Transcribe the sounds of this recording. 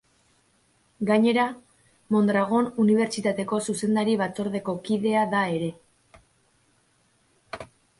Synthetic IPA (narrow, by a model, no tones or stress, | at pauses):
ɡaɲe̞ɾa | mo̞nd̪ɾaɣ̞o̞nuniβ̞e̞ɾt͡ʃit̪at̪e̞ko̞suse̞nd̪aɾiβat͡so̞ɾðe̞ko̞kiðe̞aðae̞ɾe̞